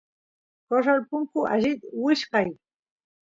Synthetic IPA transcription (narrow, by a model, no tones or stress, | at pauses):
koʂ̬alpʊŋkʊa̰ʒɪt̪wɪʃqɑj